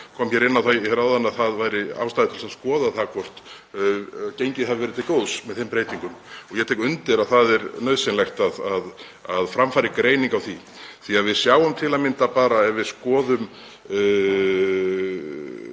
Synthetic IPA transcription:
kʰɔmçɛɾɪnːawθajhɛɾawðanːaðθaðvaːjɾɪa̰wst̪ajðɪt̪ʰɪlsaðskɔːðaθakʰɔr̥t̪ | cejɲcɪðhɛvɪvɛɾɪt̪ʰɪlkoːwðsmɛðθɪmpɾeːjt̪iŋkʏmɔɣjɛt̪ejkʏnt̪ɪɾaðθaðɛɾnœɥðsɪnlɛxt̪aðað | aðfɾamfaːɾɪkɾeːjniŋkawθi | θiaðvɪðsjaːwʏmt̪ʰɪlaðmɪnt̪apaːɾaɛvɪðskɔːðʏm

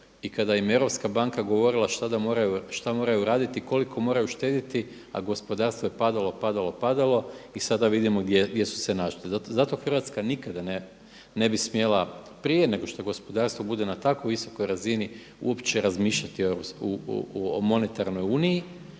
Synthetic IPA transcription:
ikad̪ajimje̞ʋɾo̞pskabaŋkaɡo̞ʋo̞ɾilˠaʃt̪ad̪amo̞ɾajuʃt̪amo̞ːɾajuɾaːd̪it̪iko̞likʰo̞mo̞ːɾajuʃt̪e̞ːd̪it̪i | a̰ɡo̞spo̞d̪aːɾst̪ʋojepad̪alˠo̞pad̪alo̞pad̪alˠo̞isad̪aʋid̪imo̞ɡd̪jeɡdje̞su̥senaʃliazat̪o̞xr̩ʋat̪skanikad̪ane | ne̞bismje̞la | pɾije̞ne̞ɡo̞ʃt̪oɡo̞spod̪aːɾst̪ʋo̞bud̪e̞nat̪akojʋiso̞̥ko̞jɾazini | ṵo̞pt͡ʃe̞ɾazmiːʃʎat̪ioeopu | mo̞ne̞t̪aɾno̞juːniji

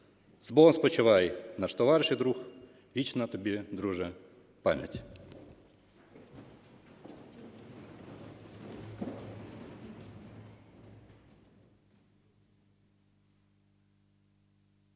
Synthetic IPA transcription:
zbɔɔmspɔt͡ʃɪʋɑjnɐʃt̪ɔʋɑɾɪʃɪjd̪ɾux | ʋʲit͡ʃnɐt̪ɔbʲid̪ɾuʒɛ | pamʲjɐ̰tʲ

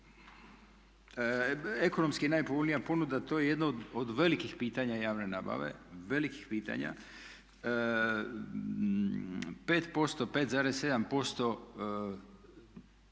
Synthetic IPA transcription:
eko̞no̞mskinaːjpobolʲnijapo̞nud̪at̪o̞ːjeje̞d̪nood̪ʋe̞likixpiːt̪aɲajaːʋne̞naːba̰ʋe̞̰ʋe̞likixpiːt̪a̰ɲa̰ | pe̞ːt̪po̞st̪o̞peːt̪zaːɾesːe̞d̪ampo̞st̪o̞

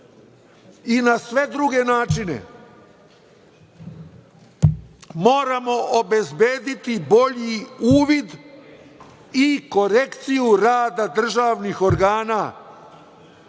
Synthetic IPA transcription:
inasʋe̞d̪ɾuɡe̞naːt͡ʃinḛ | mo̞ːɾamo̞ʔobe̞zbe̞ːd̪it̪ibo̞ʎiuːʋid̪ | iko̞ɾe̞kt̪sijuɾaːd̪ad̪r̩ʒaːʋnixo̞ɾɡaːna

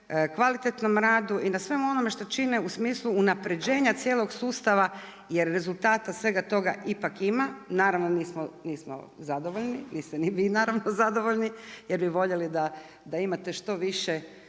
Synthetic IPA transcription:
kʋalit̪et̪no̞mɾaːd̪uʔinasʋe̞muo̞no̞me̞ʃt̪o̞t͡ʃineusmiːslˠuːnapɾe̞d͡ʑe̞ːɲat̪sjeːlˠo̞ɡsuːst̪aʋa | jeɾːe̞zulˠt̪aːt̪asʋe̞ɡat̪o̞ɡa̰ʔipakimanaːɾaʋno̞niːsmoniːsmo̰zad̪o̞ʋo̞ʎniniːst̪eniʋinaːɾaʋnozad̪o̞ʋo̞ʎnijeɾbiʋo̞ʎe̞lid̪a | d̪aimat̪e̞ʃt̪o̞ʋiʃe

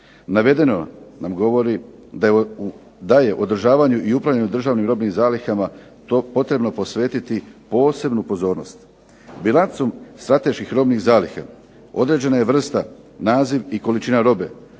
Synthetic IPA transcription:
naʋe̞d̪e̞nonamɡo̞ʋo̞ɾi | d̪ | d̪aje̞ʔo̞d̪r̩ʒaːʋaːɲuʔiupɾaʋlʎeɲud̪r̩ʒaːʋnimɾo̞bnimzaːlixama | opo̞t̪ɾe̞bno̞po̞sʋe̞ːt̪it̪ipo̞ːse̞bnupo̞zo̞ːɾno̞̰st̪ | bilˠant̪so̞mst̪ɾat̪e̞ʃkixɾo̞bnixzaːlixa̰ | o̞d̪ɾe̞d͡ʑe̞naje̞ʋr̩st̪a | naːziʋiko̞lit͡ʃinaɾo̞be̞̰

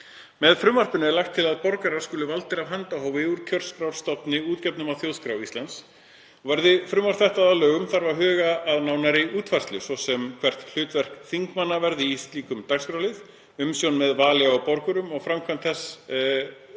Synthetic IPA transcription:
mɛðfɾʏmvar̥pʏnɪɛlajxt̪ʰːɪlaðpɔɾkaɾaɾ̥skʏːlʏvalt̪ɪɾavɦant̪aɦawvɪuɾ̥cʰœrskɾawr̥st̪ɔpnɪuːt̪cɛpnʏmawθjowðskɾawist̪ant̪s | ɔvɛɾðɪfɾʏmvar̥t̪θɛht̪aðalœːɣʏmθaɾvaɾɦʏːɣaːðnaːwnaɾɪuːt̪var̥st̪lʏsvɔsɛmkʰv̥ɛr̥t̪l̥ʏːt̪vɛr̥kθiŋkmanːavɛɾðɪist̪liːkʏmt̪akskɾawlɪð | ʏmsjownmɛðvaːlɪawpɔɾkʏɾʏmɔɣfɾamkʰvant̪θɛs

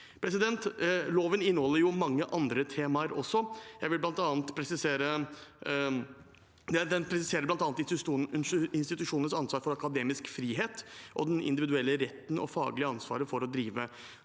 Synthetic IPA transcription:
pʰɾɛsɪd̪ɛnt̪loːʋənɪnːhɔlːəɾjʊmɑŋːəʔɑnd̪ɾət̪ʰeːmɑɾɔsːɔjæɪʋɪlblɑnt̪ɑːnt̪pʰɾɛsɪseːɾə | ɛd̪ɛnpʰɾɛsɪseːɾəblɑnt̪ɑːnt̪ | ɪnst̪ɪt̪ʉʂuːnənsɑnsʋɑːɾfɔɾɑkɑd̪eːmɪskfɾiːɦeːt̪ʔɔd̪ɛnʔɪ̰nd̪ɪʋɪd̪ʉɛlːəɾɛt̪ːn̩ʔɔ̰fɑ̰ːɡlɪəɑnsʋɑ̰ːɾəfɔɾɔd̪ɾiːʋə

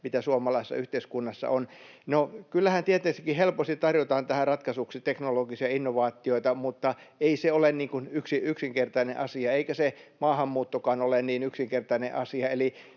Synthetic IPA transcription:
mit̪æsuɑmɑlɑisesːɑ̰yht̪eiskunːɑsːɑ̰onnokylːæhænt̪iet̪ːˑesikːˑihelpost̪it̪t̪ɑrjot̪ɑːnt̪æhærɑt̪kɑsuksit̪eknoloɡisiɑinːoʋɑːt̪ːˑioit̪ɑmut̪ːɑeiseolenniːŋkunyksiyksiŋkert̪ɑinḛʔɑsiɑeikæsemɑːhɑmːuːt̪ːokɑːnolenniːnyksiŋkert̪ɑinḛʔɑsiɑeli

